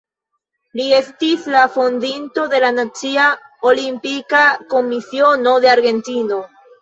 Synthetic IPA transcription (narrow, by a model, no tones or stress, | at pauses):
lie̞stislafond̪int̪o̞ðe̞lanat͡siaolimpikako̞misio̞no̞ðeaɾɣe̞nt̪ino̞